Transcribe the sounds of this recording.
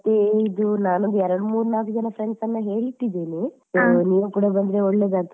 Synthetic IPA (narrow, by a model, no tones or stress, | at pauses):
ɐt̪ːeid̪unaːnond̪uɛɾɐɽumuːɾnaːkud͡ʒɐnɐpʰɾeɳɖsɐnːɐɦe̞ːɭiʈːid̪eːnisoːniːʋukuːɽɐbɐnd̪ɾeɔɭːeːd̪aːt̪